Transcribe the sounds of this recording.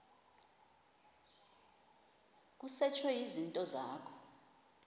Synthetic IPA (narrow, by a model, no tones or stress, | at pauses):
k̬ʼusɛt͡ʃʰwɛjizintʼɔza̰ːkʰɔ̥